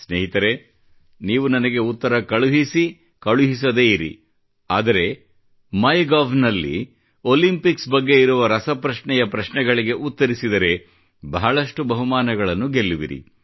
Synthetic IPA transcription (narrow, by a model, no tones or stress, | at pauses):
sneːɦit̪ɐɾe̞ | niːʋunɐnɐɡe̞ut̪ːɐɾɐkɐɭuɦisi | kɐɭuɦis̬ɐd̪e̞ːiɾḭ | aːd̪ɐɾe̞ | mɐjɡaːʋnɐlːḭ | olimpiksbɐɡːe̞iɾuʋɐɾɐsɐpɾɐʃɳɛjɐpɾɐʃɳɛɡɐɭiɡe̞ʔut̪ːɐɾisid̪ɐɾe̞ | bɐɦɐɭɐʂʈubɐɦumaːnɐɡɐɭɐnːuɡe̞lːiʋḭɾḭ